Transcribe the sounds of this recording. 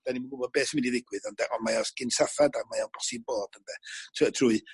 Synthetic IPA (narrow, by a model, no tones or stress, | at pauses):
d̥animəbobɔd̚beːsəmɪndiðɪɡwɨðɔndaʔɔnmaɔsɡ̥ɪnsaθadamajabɔsiboːd̥əndɛtʰtʰruːɨ